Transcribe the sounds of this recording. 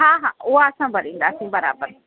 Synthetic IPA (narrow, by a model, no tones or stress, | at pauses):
ɦãːɦãːoaɐsãːbɐɾĩːnd̪aːsĩːbɐɾa̰ːbəɾ